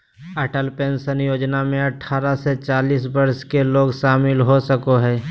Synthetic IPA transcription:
əːʈəlpeːnsənjoːd͡ʒnamẽɐʈʰːaːɾaset͡ʃaːliːsbɐɾskeloːɡʃaːmɪlɦosəkoɦɛː

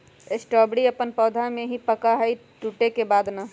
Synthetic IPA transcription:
esʈɔːbɽiəpənpɔːd̪ʱamẽɦĩpəkaɦəiʈuːʈekebaːd̪na

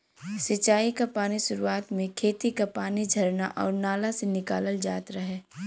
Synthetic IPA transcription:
sɪt͡ʃaːikapaːniʃʊɾuaːt̪mẽkʰeːt̪ikapaːnid͡ʒʱɐɾnaʔɔ̰ːɾnaːlasenɪkaːləld͡ʒaːt̪ɾaɦɛː

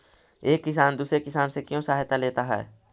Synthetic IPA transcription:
eːkːɪsaːnd̪uːsɾekɪsaːnsekjõsaːɦt̪aleːt̪aɦɛ̰ː

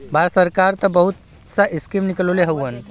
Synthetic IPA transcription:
baɾsəɾkaɾt̪əbəɦut̪ | saʔiskimnikloleɦəwən

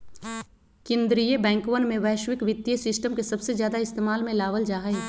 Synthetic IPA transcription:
kɪ̃nd̪ɾijebɛ̃ːŋkʋənmẽʋɛːʃwɪkʋɪt̪ːjəsɪsʈəmkesɐbsezjaːd̪aɪst̪eːmaːlmẽlaːʋəld͡ʒaːɦe

